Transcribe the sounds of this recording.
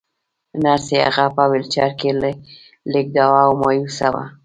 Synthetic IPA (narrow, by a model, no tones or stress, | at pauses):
nɑɾseha̰ɣapawɪlt͡ʃɑɾkelə | lek̚d̪awawmɑjusawa̰